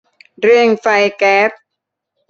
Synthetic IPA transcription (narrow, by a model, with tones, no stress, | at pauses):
ɾɯ˧˩əŋfa˧jkɛː˦˥p̚